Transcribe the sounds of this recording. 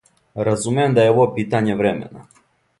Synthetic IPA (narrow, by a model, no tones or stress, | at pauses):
ɾazumeemd̪ajeoʋopiːt̪aɲeʋɾemḛna